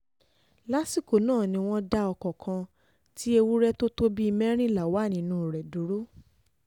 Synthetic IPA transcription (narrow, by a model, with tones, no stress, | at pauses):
la˦si˦˨ko˨˦nãː˦˨nĩ˧w̃ɔ̃˦da˧˦ɔ˧kɔ˨kʰã˧ | ti˦e˧wu˦ɾɛ˦to˦to˦bi˦i˧mɛ̃˦ɾ̃ĩ˦la˨wa˦˨nĩ˨˦nũ˦˨ɾɛ˨du˨˦ɾo˦